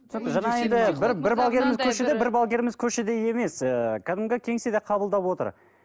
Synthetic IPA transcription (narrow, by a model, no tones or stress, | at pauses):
ʒɑnɑend̪ɪbɪɾbɪɾbɑlˠɡʲe̞ɾmɪzkʲʰɵʃed̪ebɪɾbɑlˠɡʲe̞ɾmɪzkʲʰɵʃed̪e̞je̞me̞səkʲʰad̪ɪmɡʲekʲʰe̞ŋsed̪eqʰɑbəlˠd̪ɑpwo̞t̪ə̰ɾ